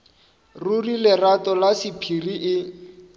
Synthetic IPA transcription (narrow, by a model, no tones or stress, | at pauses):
rurilɪratɔlasɪpʰiriʔɪ